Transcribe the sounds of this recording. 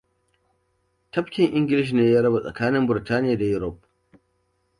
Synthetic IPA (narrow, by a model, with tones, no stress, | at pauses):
tɐ˦ɸkʲɪ˨ŋʔɪ˦ŋɡʲɪ˨lɪ˦ʃ̬i˨neː˦jaː˦ɽɐ˦ba˨sʼɐ̰˨kaː˦nɪ˦mbʊ˨taː˦nɪ˦jaː˨da˨jʊ˦ɾɔ˦˨p̚